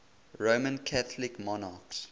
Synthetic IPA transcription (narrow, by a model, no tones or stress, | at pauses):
ɹomə̃nkʰaθəlɪkmɔnaːks